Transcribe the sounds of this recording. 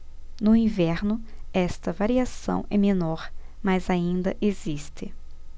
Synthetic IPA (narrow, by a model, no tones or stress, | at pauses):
nʊĩvɛɾnʊɛst̪ɐvaɾiasɐ̰̃w̃ɛmẽnɔɾ | mazaĩnd̪ɐʔezist̪ɪ